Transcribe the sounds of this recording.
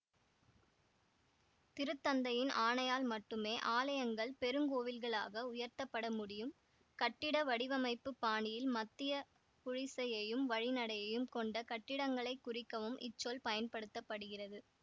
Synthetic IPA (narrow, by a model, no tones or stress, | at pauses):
t̪ɪɾɯt̪ːɐnd̪ɐjɪnaːnɐjaːlmɐʈːɯmeːʔaːlɐjɐŋɡɐɭpɛɾɯŋɡoːʋɪlɣɐɭa̰ːɣɐʊjɐɾt̪ɐpːɐɽɐmʊɽɪjɯm | kɐʈːɪɽɐʋɐɽɪʋɐmɐɪpːɯpːaːɳɪjɪlmɐt̪ːɪjɐ | kʊɻɪsɐjɐjɯmʋɐɻɪnɐɽɐjɐjɯmkɔɳɖɐkɐʈːɪɽɐŋɡɐɭɐɪkːʊrɪkːɐʋɯmʔɪ̰t͡ʃːolpɐjɐnpɐɽɯt̪ːɐpːɐɽɯɣɪrɐðɯ